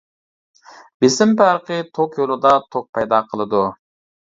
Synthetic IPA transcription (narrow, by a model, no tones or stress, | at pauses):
b̥ɪsɪmpæɾqət̪ʰokjolˠɨd̪ɑt̪ʰok̚pʰɑjd̪ɑqʰəlˠɨd̪u